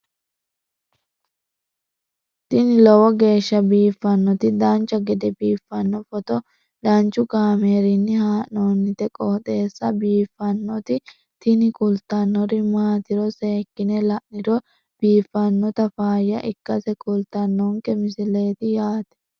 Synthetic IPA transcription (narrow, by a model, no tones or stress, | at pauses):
t̪ɪnɪlɔwɔɡe̞ːʃːɐbiːfːɐnːɔt̪ɪd̪ɐnt͡ʃːɐɡɛd̪ɛbiːfːɐnːɔfɔt̪ɔ | d̪ɐnt͡ʃʊɡaːmeːɾɪnːɪhaːʔnoːnːɪt̪ɛkʼɔɔt̪ʼe̞ːsːɐbiːfːɐnːɔt̪ɪ | t̪ɪnɪkʼʊlt̪ːɐnːɔɾɪmaːt̪ɪɾɔse̞ːkːɪnɛlɐʔnɪɾɔ | b̥iːfːɐnːɔt̪ɐfaːjɐʔɪkːɐsɛkʼʊlt̪ɐnːɔŋkɛmɪsɪle̞ːt̪ɪjaːt̪ɛ̥